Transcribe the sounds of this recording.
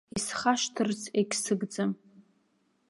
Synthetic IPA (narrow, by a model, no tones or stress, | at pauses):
isχaʃtʰɨrt͡sʰekʲʰsɨɡd͡zɨm